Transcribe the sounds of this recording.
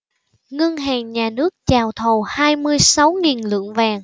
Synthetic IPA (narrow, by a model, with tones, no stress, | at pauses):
ŋə˧ŋɦaː˨˩ŋɲaː˨˩nɨ˦˥ək̚t͡ɕaː˨˩wt̪ʰo˨˩haː˧jmɨ˧əjsa˨˦wŋi˨˩nlɨ̰˧˨əŋvaː˨˩ŋ